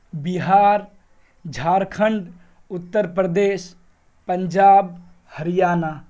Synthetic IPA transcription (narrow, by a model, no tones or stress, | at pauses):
biɦaːɾ | d͡ʒʱaːɾkʰəɳɖ | ut̪ːəɾpɾəd̪es | pəɲd͡ʒaːb̚ | həɾijaːna